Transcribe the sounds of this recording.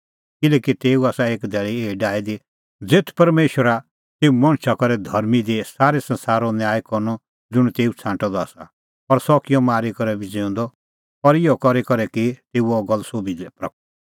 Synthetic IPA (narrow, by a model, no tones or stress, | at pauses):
kɪlɛːkit̪eːuaːsaeːkd̪ʱɛːɭieːiɖaːid̪i | d͡zeːt̪ʰpɐɾmeːʃwəɾa | t̪eːumɔ̃ñt͡ʃʰakɔɾɛd̪ʱɐɾmid̪esaːɾɛsɐ̃nsaːɾɔnjaːjkɔɾnɔ | d͡zʊɽ̃t̪eːut͡sʰãːɳʈɔ̃d̪ɔaːsa̰ | pɐɾsɔkɪjɔmaːɾikɔɾɛbʱid͡zẽːʊ̃nd̪ɔ | pɔɾɪjɔkɔɾɛkɔɾɛkit̪eːuɔɡɔlsoːbidɛpɾɐk̚ʰ